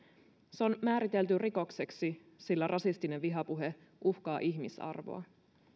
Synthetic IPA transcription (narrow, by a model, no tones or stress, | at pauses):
seo̞nmæːɾit̪e̞lt̪yriko̞kse̞ksi | silːærʔɑsist̪ineʋʋiɦɑpuɦe̞ | ʔuhkɑːʔiçmisɑ̰rʋo̞̰ɑ̰